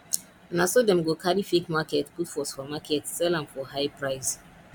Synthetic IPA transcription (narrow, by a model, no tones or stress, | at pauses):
nasodɛ̃mɡokʰaɾifekmakɛtputfɔsfɔmakʰɛtsɛlãmfɔhaɪpɹaɪs